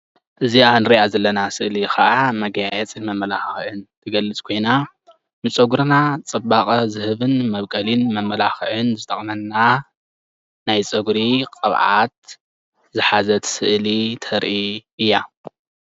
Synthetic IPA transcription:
ʔɨzianɨɾiʔazɐlːɐnasɨʔlixaʔamɐɡjajɛt͡sʼɨmɐmːɐlaxʕɨnt̪ʰɨɡɐlːɨt͡sʼkʰo̞jna | mɨt͡sʼɐɡuɾnat͡sʼɐbakʼɐzɨhɨβɨnmɐβkʼɐlinmɐmːɐlaxʕɨnzɨt̪ʰʼɐχʼnɐnːa | najt͡sʼɐɡɾiqʼɐβʕa̰t̪̚ | zɨħazɐt̪sɨʔlit̪ʰɐɾʔiʔɨjːa

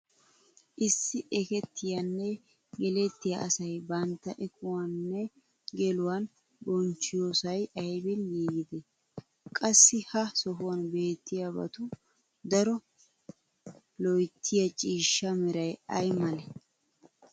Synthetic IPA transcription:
ʔɪsːɪʔɛkɛt̪ːɪjɐnːɛ | ɡɛlɛt̪ːɪjɐ̰ʔɐsɐjbɐnt̪ːɐʔɛkʰʊwɐnːɛ | ɡɛlʊwɐn | bɔnt͡ʃːɪjoːsɐjɐjbɪnjiːɡɪd̪ɛ | kʼɐsːɪhɐsɔɦʊwɐnbe̞ːt̪ːɪjabɐ̰t̪ʊ | d̪ɐɾɔ | lɔjt̪ʰːɪjɐt͡ʃʼiːʃːɐmɪɾɐjɐjmɐlɛ

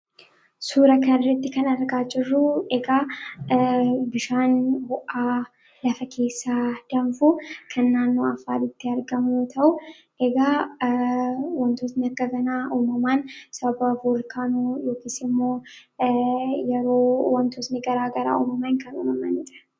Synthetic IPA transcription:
suːɾɐkɐnɾɛt̪ːɪkɐnɐɾɡaːd͡ʒɪrːuʔɛɡaː | bɪʃaːnbɔʔaː | lɐfɐkʰe̞ːsːaːd̪̥ɐmfukʰɐnːaːnːoːɐfaːɾɪt̪ːɪɐɾɡɐmjoːt̪ʰɐʔʊ | ʔɛɡaː | wɔnt̪oːt̪nɪɐɾɡɐɡɐnaːʔuːmɐmaːnsɐɐbɐbulkaːnuːjoːkɪsɪmːoː | jɛɾoːwɐnt̪oːt̪nɪɡɐɾaːɡɐɾa̰ːuːmɐmaːɪnkɐnṵːmɐmɐnɪt̪ʼɐ̥

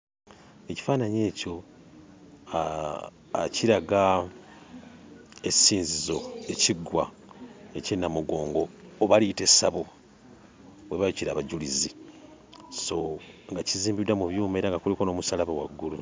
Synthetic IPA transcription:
e̞ci̥faːnaɲe̞ːco̞ | ciɾaɡa | esiːnzizo̞e̞ciɡwa | ecenːamuɡo̞ːŋɡo̞ːβalite̞saβo | βwe̞βajuciɾaːβaɟulizi | so̞ŋɡaciziːmbidamuβjuːmeɾaŋɡakuliko̞no̞ːmusalaβawa̰ɡːulu

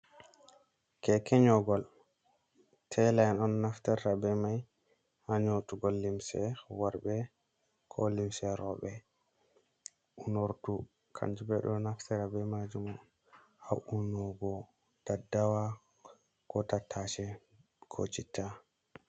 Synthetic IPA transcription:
kɛkɛɲɔɡɔl | tʰɛlajnɔnːaftɛɾːabɛmaj | haɲotuɡɔlːimsɛ̰waɾbɛ | kʰɔlimsɛɾɔɓɛ | ʔunoɾtu | kʰa̰nd͡ʒubɛɗɔnaftɛɾabɛmad͡ʒumɔ | aʔunɔɡɔ | dadawa | kɔtatʰːat͡ʃɛ | kʰo̰t͡ʃitːa

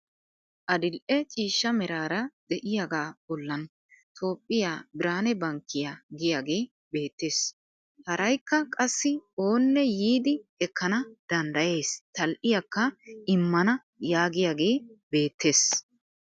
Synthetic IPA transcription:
ʔɐd̪ɪlʔɛt͡ʃʼiːʃːɐmɛɾaːɾɐd̪ɛʔɪjaːɡaːbɔlːɐn | t̪ʰo̞ːpʼːɪjaːbɪɾaːnɛbɐŋkːɪjaɡɪjaːɡe̞ː | be̞ːt̪ːe̞ːs | hɐɾʔɐjkːɐkʼɐsːɪo̞ːnːɛjiːd̪ɪhɛkʰːɐnɐd̪̥ɐnd̪ɐje̞ːst̪ɐlʔɪjɐkːɐʔɪmːɐnɐ | jaːɡɪjaːɡe̞ːbe̞ːt̪ːe̞ːs

